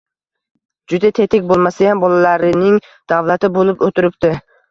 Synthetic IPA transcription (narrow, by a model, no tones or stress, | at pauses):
d͡ʒʊd̪at̪ʰe̞t̪ʰɪkʲbolˠmasajambɒlalaɾɪnɪŋ | d̪̥avlat̪ʰɪbolɪpot̪ʰɪɾɪp̚t̪ɪ